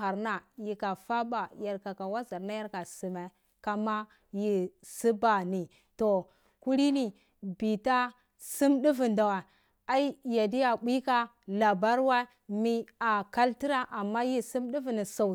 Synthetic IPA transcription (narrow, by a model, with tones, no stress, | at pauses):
a˨ɾna˨ji˨ka˨fa˦ba˨ja˨ɾka˨ka˨wa˦za˨ɾna˦ja˦ɾka˨si˨me˨ | ka˨ma˦ | ji˦si˦ba˨ni˨ | to˨ | ku˦ɾi˦ni˨ | bi˨ta˦ | si˦mɗi˦vi˨nda˨wa˨ | a˦i˦ja˨di˦ja˨ɓʷi˦ka˦ | la˨ba˦ɾwa˦ | mi˦a˨ka˦lti˦ɾa˦ʔa˨mːa˦ji˦si˦mdi˦vi˨ni˨sa˨